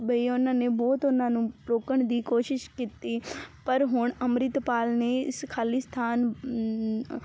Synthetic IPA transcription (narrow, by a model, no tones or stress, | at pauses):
bəiʊnãːneːbɔːt̪ʊnãːnũːɾoːkəɳd̪iːkoːʃɪʃkiːt̪iːpəɾɦʊɳəmɾɪt̪paːlneːɪskʰaːliːst̪ʰaːn